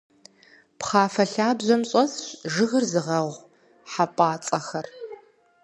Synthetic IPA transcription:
pχɑːfɐɬaːbʑʷɐmɕʼɐsɕʒɨɣɨrzɨʁɐʁʷ | ħapʼaːt͡sʼɐxɐr

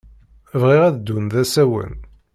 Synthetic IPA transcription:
vʁiʁæðd̪ːunðæsæwə̰n

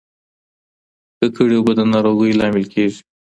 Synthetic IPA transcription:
k̪əkʰəɽewbəd̪ənɑɾoɣəjlɑmɪlkʰeʒi̥

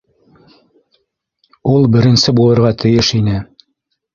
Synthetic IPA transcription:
ulˠbɘ̆ɾɘ̆nsɘbulˠɤ̆ɾʁɑt̪ʰɘ̆jɘʃinɘ

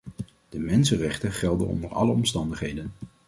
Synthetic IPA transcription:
d̥əmɛnsənrɛχtəχɛlˠdə̰nɔ̰ndəɹɑ̰ləɔmstɑndəχɦejdən

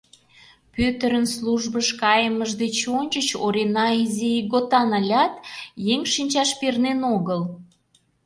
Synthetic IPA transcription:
pøt̪əɾənsluʒbəʃkɑjəməʒd̪et͡ɕonʲt͡ɕət͡ɕoɾenɑiziiɡot̪ɑnɑlʲɑt̪jeŋʃinʲt͡ɕɑʃpernenoɣəl

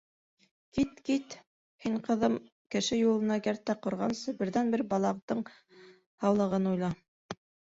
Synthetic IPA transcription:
kit̪kit̪ | hiɴqɤ̆ðɤm | kɘ̆ʃɘjulˠɤ̆nɑkæɾt̪ːæqŏɾʁɑnsɤbɘ̆ɾðænbɘɾbɑlˠɑqt̪ɤɴ | hɑwlˠɤ̆ʁɤnujlˠɑ

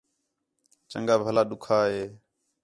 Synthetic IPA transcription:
t͡ʃə̰ŋɡaːbʱəlaːɗʊkʰaːɦeː

